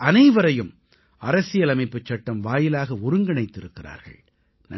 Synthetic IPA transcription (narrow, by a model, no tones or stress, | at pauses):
ɐnɐɪʋɐɾɐjɯm | ɐɾɐsɪjɐlɐmɐɪpːɯt͡ʃːɐʈːɐmʋaːjɪlaːɣɐʊɾɯŋɡɪɳɐɪt̪ːɪɾɯkːɪra̰ːɾɣɐ̰ɭ | nɐ